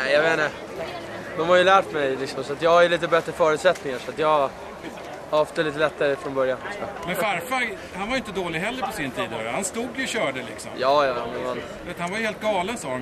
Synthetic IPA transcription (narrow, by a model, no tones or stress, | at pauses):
nɛɪjaveːnə | d̪ɔmhaɾjɵlæːʈmɛjlɪksɔmsɔat̪jɑːhaɾjɵliːt̪əbɛt̪ːɾəfœːɾʉ̟t̪sɛt̪nɪŋaʂɔat̪jɑːɡ | hahɔft̪aliːt̪əlɛt̪ːaɾəfɾɔnbœɾjanɔsɔmɛnfaɾfa | hanvaɾjʏɪnt̪əd̪oːlɪɡɦɛlːəɾpʰɔsɪnt̪ʰiːd̪ø̰ɾəhanst̪uːɡjɵɕœːɖəlɪ̰ksɔ̰mjɑːjɑːd̪ɛnhan | veːt̪hanvaɾjɵheːlt̪̚ɡɑːlənsɑːan